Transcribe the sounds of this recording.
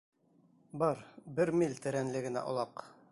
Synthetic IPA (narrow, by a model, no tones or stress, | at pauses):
bɑɾbɘɾmilʲt̪ɘ̆ɾænlɘɡɘ̆næ̰ʔŏ̰lˠɑq